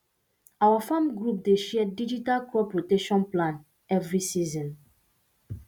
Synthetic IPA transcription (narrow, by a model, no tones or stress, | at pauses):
awafãmɡɹup̚deʃɛdid͡ʒitalkɔpɹoteʃɔ̃nplãn | ɛvɹisizɔ̃n